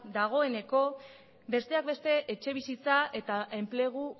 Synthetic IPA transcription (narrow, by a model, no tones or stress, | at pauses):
d̪aɣ̞o̞e̞ne̞ko̞ | be̞st̪e̞ak̚be̞st̪e̞ʔet͡ʃe̞β̞isit͡sae̞t̪ae̞mple̞ɣ̞u